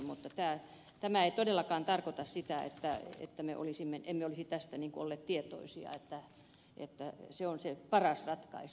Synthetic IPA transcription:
mut̪ːɑt̪æː | t̪æmæeit̪odelːɑkɑːnt̪ɑrkot̪ɑssit̪æḛt̪ːæḛt̪ːæmḛʔo̰lisimːenemmeolisit̪æst̪æniːŋkoolːeːt̪t̪iet̪o̰isiɑ̰et̪ːæ | ʔḛt̪ːæseonsepɑrɑsrɑt̪kɑ̰is

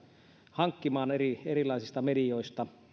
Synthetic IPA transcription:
hɑŋkːimɑːnerierilˑɑˑisist̪ɑmedioist̪ɑ

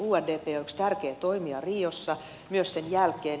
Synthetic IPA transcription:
uːerdeːpeːoikst̪ærkeːt̪oimiɑriːosːɑ | myøssenjælkeːn

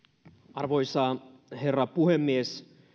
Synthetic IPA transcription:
ɑrʋo̞jsɑːhe̞rːɑpuhemːies

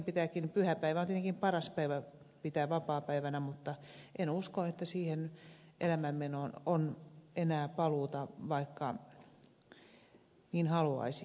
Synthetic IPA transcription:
mpit̪æːkːinpyhæpæiʋæont̪et̪eŋkimpɑrɑspæiʋæ | pit̪æːʋɑpɑːpæiʋænæmut̪ːɑʔenuskoet̪ːæsiːhen | ʔelæmæmmenononenæːpɑluːt̪ɑʋɑikːɑ | niːnhɑluɑ̰isi

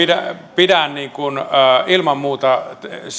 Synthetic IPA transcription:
idæ̰pidænniːŋkunːilmɑmmuːt̪ɑs

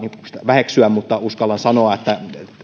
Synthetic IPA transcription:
nist̪æʋæheksyæmmut̪ːɑuskɑlːɑnsɑnoɑet̪ːæ

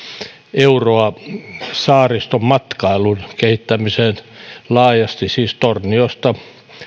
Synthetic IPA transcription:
euroɑ | sɑːrist̪ommɑt̪kɑilunkehit̪ːæmiseːnlɑːjɑst̪isiːst̪orniost̪ɑ

